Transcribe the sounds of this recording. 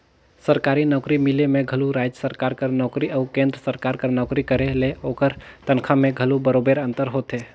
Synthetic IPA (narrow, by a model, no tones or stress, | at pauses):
səɾkaɾinɔkɾimilemeɡʱəluɾad͡ʒjəsəɾkaɾkəɾnɔːkɾiʔaʊkẽnd̪ɾəsəɾkaɾkəɾnɔːkɾikəɾeleokəɾt̪ənkʰamẽɡʱəlubəɾobeɾənt̪əɾɦot̪ɦe